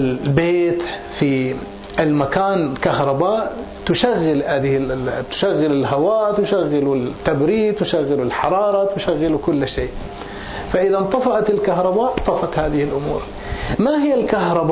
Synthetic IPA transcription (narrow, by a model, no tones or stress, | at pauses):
beːt̪ | fi | ʔɪlmakaːnkahɾˤɑbaːʔ | t̪ʊʃaɣːɪlhaːðɪt̪ʊ̥ʃaɣːɪlɪlɦawaːʔt̪ʊʃaɣːɪlut̪ːabɾiːt̪ʊʃaɣːɪlʊlħɑɾˤɑːɾˤɑt̪ʊʃaɣːɪlukʊlːʃeːʔ | faʔɪðant̪ˤɑfɑʔɑt̪ɪlkaɦɾˤɑbaːʔt̪ˤɑfɑt̪haːðɪhɪlʔʊmuːɾ | maɦɪjːalkahɾˤɑb